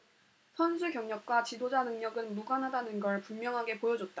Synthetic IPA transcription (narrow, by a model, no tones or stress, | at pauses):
sʰʌnsʰukjʌŋɲʌk̚k͈wat͡ɕidod͡ʑanɯŋɲʌɡɯnmuɡanɦadanɯnɡʌɭpummjʌŋɦaɡe̞pojʌd͡ʑot̚t͈a